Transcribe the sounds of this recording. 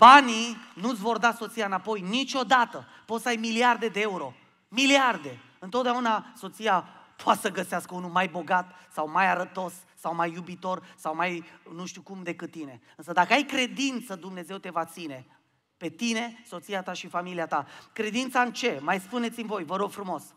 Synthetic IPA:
b̥aninut̪sʲvo̞rd̪aso̞t̪sijaɨnapo̞jnit͡ʃʲo̞d̪at̪ə | po̞t̪səajmiliard̪e̞d̪e̞euɾo̞ | miliard̪e̞ | ɨnt̪ot̪d̪aunaso̞t̪sijapoat̪səɡəseaskəunumajbo̞ɡat̪sawmajaɾət̪o̞sːawmajːubit̪o̞rsawmajnuʃt̪ukumd̪e̞kɨt̪̚ːine̞ɨnsəd̪akəajkɾe̞d̪int̪səd̪umne̞ze̞wt̪e̞vat̪sine̞ | pe̞t̪ine̞so̞t̪siat̪aʃifamiliat̪akɾe̞d̪int̪saɨnt͡ʃe̞majspunet̪simvo̞jvəɾo̞ɡ̥fɾumo̞s

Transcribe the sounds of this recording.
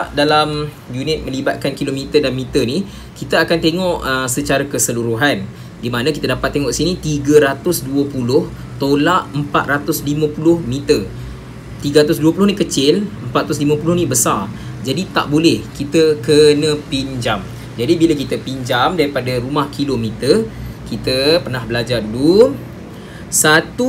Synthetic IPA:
ʔdalam | junɪt̪̚mə̃libat̪̚kankilomit̪ədanmĩt̪ərni | kit̪aakant̪eŋɔʔəsət͡ʃaɾakəsəluɾuɦan | dimanakit̪adapat̪ːeŋɔ̃ʔisinit̪iɡaɾat̪ʊsduəpulʊh | t̪olaʔəmpa̰t̪̚rat̪ʊslimə̃pulʊhmit̪ər | t̪iɡaɾat̪ʊs̬duəpulʊhnikət͡ʃɪləmpat̪̚at̪ʊslimə̃pulʊhnĩbəsar | d͡ʒadit̪a̰ʔbolɛhkit̪əkənə̃piɲd͡ʒam | d͡ʒadibilakit̪əpiɲd͡ʒamdaɾipadaɾumahkʰilomĩt̪ərkit̪əpərnahbəlad͡ʒardulu | sat̪u

